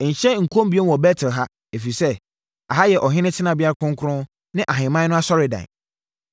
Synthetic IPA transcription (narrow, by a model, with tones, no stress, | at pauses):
ɲ̩˨ɕɛ˦ŋ̩˨kʰõ˦mbi˦e˦n˦˨ɔ˨bɛ˦tʰɪ˨lɦa˦ | e˨fi˨sɛ˦ | a˨ɦa˦jɛ˨ʔɔ˨ɦɪ̃˦nɪ̃˦tʰɪ˦nã˨bɪ˦a˦ɾa˦kʰʊ̃˦ŋ˦kʰʊ˦ɾʊ̃˦ | nɪ̃˦ʔa˨ɦɪ̃˨mã˦nʊ̃˦a˦sɔ˦ɾɪ˨dã̰˨